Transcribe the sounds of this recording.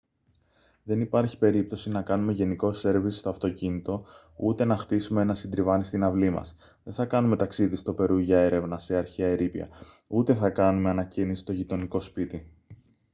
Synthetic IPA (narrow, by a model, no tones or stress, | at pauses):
ðe̞nipɐɾçi̥pe̞ɾip̚t̪o̞sinɐkɐnume̞ʝe̞niko̞se̞ɾvisi̥st̪o̞ɐft̪o̞cinit̪o̞ | ut̪e̞nɐxt̪isumeenɐsind̪ɾivɐnist̪inɐvlimɐ̰s | ðe̞nθɐkɐnume̞t̪ɐksiðist̪o̞pe̞ɾuʝɐe̞ɾe̞vnɐse̞ɐɾçeɐeɾipiɐ̰ut̪e̞θɐkɐnume̞ɐnɐcinisi̥t̪o̞ʝit̪o̞niko̞spit̪i